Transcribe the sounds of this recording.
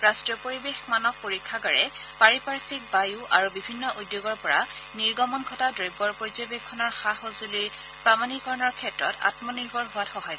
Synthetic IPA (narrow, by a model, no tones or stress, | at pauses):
ɹastɹiɔpoɹibexmanɔk̚poɹikʰːaɡaɹɛpaɹipaɹsik̚bajuʔaɹubibʱinːɔʔujdjoɡɔɹpɔɹaniɹɡɔmɔnkʰɔtadɹojbɔɹpozɔjbekʰːɔnɔɹxahozuliɹ | pɹamanikɔɹɔnɔɹkʰɛtɹɔ̰ta̰tmɔniɹbʱɔɹɦʊwatxɔɦaj